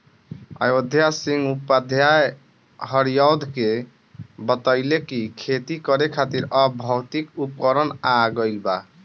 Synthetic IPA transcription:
a̰jod̪ʱjasĩŋɡupːad̪ʱja | ɦəɾijɔwd̪ʱke | bət̪əɪlekikʰet̪ikəɾekʰat̪iɾəbʱɔwt̪ikup̚kəɾənaɡəɪlba

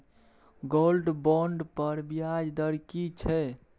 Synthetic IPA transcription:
ɡolɖbɔɳɖpəɾbijad͡ʒd̪əɾkit͡ʃʰɛ

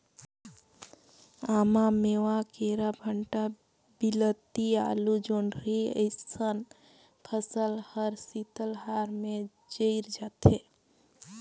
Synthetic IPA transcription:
amamewakeɾabʱəɳʈa | bilət̪ia̰lud͡ʒoɳɖʱɾiə̰ɪsən | pʰəsəlhəɾsit̪əlɦaɾme | d͡ʒəɪɾd͡ʒat̪ɦe

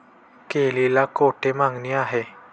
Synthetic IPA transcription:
kelelakoʈʰemaŋɡniaɦe

